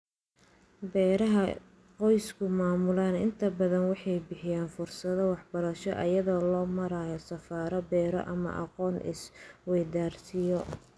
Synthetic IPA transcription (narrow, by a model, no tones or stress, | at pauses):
bɛːɾɐɦɐ | qɔjskʰʊmaːmʊlaːnɪnt̪ʰɐbɐðɐnwɑħɑjbɪħɪjaːnfʊrsɐðɔwɑħbɐɾɐʃɔʔɐjɐðɔːlɔːmɐɾaːjɔsɐfaːɾɐbɛːɾɔ̰ʔɐ̰mɐ̰ʔɑ̰qɔːnʔɪ̰swɛjd̪aːrsɪjɔ